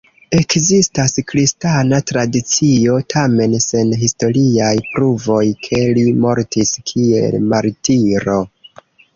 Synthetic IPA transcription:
e̞kzistaskɾistanatɾadit͡sio̞tʰame̞nse̞nɦisto̞ɾiajpɾuvo̞jkʰe̞limo̞ɾtiskʰiḛlmaɾtiɾo̞

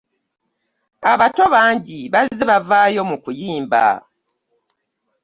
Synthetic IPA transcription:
aβato̞βaːɲɟiβazzeβavaːjo̞mukujiːmba̰

